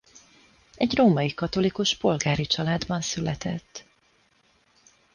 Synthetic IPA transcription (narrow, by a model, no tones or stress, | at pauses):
ɛɟroːmɒjikɒt̪o̞likuʃpo̞lɡaːɾit͡ʃɒlaːd̪bɒnsylɛt̪ɛt̪ː